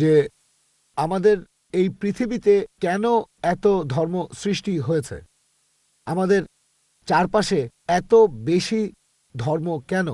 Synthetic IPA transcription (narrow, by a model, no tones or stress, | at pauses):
d͡ʑe | amad̪eɾ | ejpɾit̪ʰibit̪ekɛnoɛt̪od̪ʱɔɾmosɾiʃʈiɦojet͡ɕʰḛ | amad̪eɾ | t͡ɕaɾpaʃeɛt̪obeʃi | d̪ʱɔɾmokɛno̰